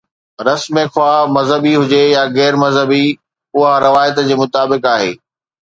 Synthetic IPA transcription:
ɾɐsmexʰʊwaːmɐzɦəbiɦʊd͡ʑejaɣɛːɾmɐzɦəbi | ʊɦaɾɐʋaːɪt̪d͡ʑeːmʊt̪aːbɪkaːɦḛː

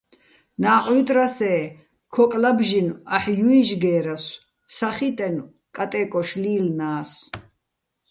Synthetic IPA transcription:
naːqʼwit̪ʼɾasɛː | kʰɔkʼlabʒinaħjuiʒɡɛːɾas | saχit̪ʼɛn | kʼat̪ʼɛːkʼɔʃliːlnaːs

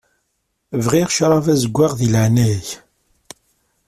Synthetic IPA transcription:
vʁiʁʃɾˤɑvæzəɡʷːaʁðilʕnæç

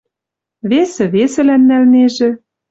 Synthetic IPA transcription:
βesɘ̆βesɘ̆lænːælneʒĕ

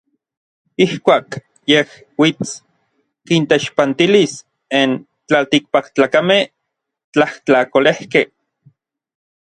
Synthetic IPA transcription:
ihkʷaːk | jeh | wit͡s | kint̪eʃpant̪ilis | en | t͡ɬalt̪ik̚pakt͡ɬaːkameh | t͡ɬaht͡ɬakolehke

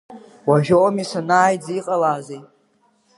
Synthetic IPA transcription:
waʒᶣoomisanaːjd͡ziqʼalaːzej

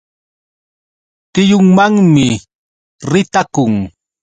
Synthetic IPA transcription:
t̪ɪjʊŋmaŋmɪ | ɾɪt̪akʊŋ

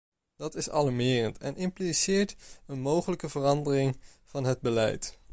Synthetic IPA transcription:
d̥ɑtɪsɑ̰lamɪːrəntɛ̰nʔɪmplisɪːɹtənmowχələkəvərɑndərɪŋ | v̥ɑnɦəd̚bəlɛ̰jt

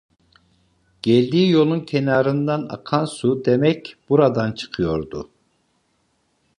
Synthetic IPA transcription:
ɟ̥ɛlʲd̪iːjo̞lˠuncʲʰenaːɾɯnd̪ana̰kʰansud̪emɛcb̥uɾad̪ant͡ʃʰɯ̥qʰɯjo̞ɾd̪u

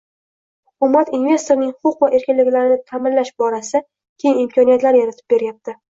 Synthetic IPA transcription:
hʊkʊmat̪inve̞st̪o̞ɾnɪŋʊqʊqvaʔe̞ɾkʲɪnlɪkʲlaɾɪnɪt̪ʰamɪnlaʃbɒɾasa | kʲʰejɪnɪmkʰɒnijat̪laɾjaɾat̪ʰɪ̥p̚be̞ɾjap̚t̪ʰɪ

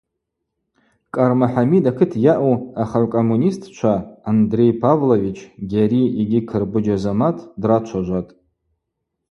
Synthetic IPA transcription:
kʼarmaħamidakʰɨtʰjaʔuaχaʕʷkʼomːunistʰʼt͡ʃʷʰaːndre̞jpʰavlovit͡ʃʰɡʲaɾiiɡʲikʰɨrbɨd͡ʒazamatʰdrat͡ʃʷʰaʒʷatʼ

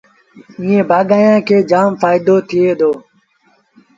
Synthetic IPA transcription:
ĩːẽːbaːɠaːjãːkʰeːd͡ʒaːmfaːɪd̪oːt̪ʰɪeːd̪oː

